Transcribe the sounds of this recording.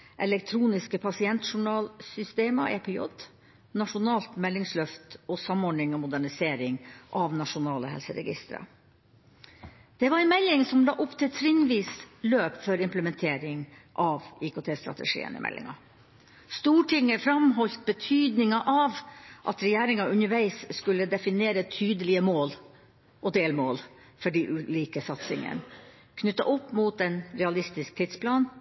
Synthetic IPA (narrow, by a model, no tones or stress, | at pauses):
ʔɛlɛkt̪ʰɾuːnɪskəpʰɑsɪɛnt̪ʂʊɳɑːlsʏst̪eːmɑ̰ʔeːpʰɛɔ̰d̪ | nɑʂʊnɑːlt̪mɛlːɪŋslœft̪ɔsɑmɔɖɳɪŋɔmʊd̪æɳɪseːɾɪŋʔɑʋnɑʂʊnɑːləhɛ̰lsəɾɛ̰ɡɪ̰st̪əɾə̰ | d̪̥ɛʋɑɾɛnmɛlːɪŋsɔmlɑ̰ːʔʊpt̪ʰɪlt̪ʰɾɪnʋiːsløːpfɔɾɪmpləmɛnt̪ʰeːɾɪŋʔɑʋikʊt̪ʰeːst̪ɾɑ̰t̪ə̰ʂḭːə̰nə̰mɛ̰lʔɪ̰ŋɑ | st̪uːʈɪŋəfɾɑmɦɔlt̪̚bət̪ʰyːd̪nɪŋɑʔɑʋʔɑ̰t̪ɾɛjæːɾɪŋɑʉnəʋæɪsskʉlːəd̪ɛfɪneːɾət̪ʰyːd̪əlɪəmoːl | ɔd̪eːlmoːl | fɔɖiʔʉːliːkəsɑt̪sɪŋə̰n | kʰnʉt̪ːɑ̰ʔʊpːmuːt̪ɛnɾɛɑlɪst̪ɪsk̚t̪ʰɪt̪spʰlɑːn